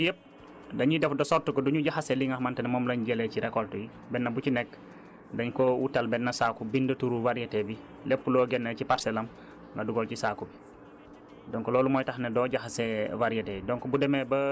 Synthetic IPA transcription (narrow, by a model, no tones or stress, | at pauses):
jəp̚ | dɐɲidɛfdɐsɔrtukɔduɲuɟaxɐsɛliŋɡɐxmɐntɛnɛmɔːmlɐɲɟɛlɛciɾɛkɔltuji | bɛnːɐbucinɛkː | dɐɲkɔwutɐlbɛnːɐsaːkubindɐtuɾuvaɾjɐtɛbi | lɛpːulɔɡɛnːɐciparsɛlɐm | ŋɡɐduɡɔlcisaːkubi | dɔŋkɔlɔːlumɔːjtɐxnɛdɔːɟaxɐsɛvaɾijɐtɛdɔŋkɔbudɛmɛbɐ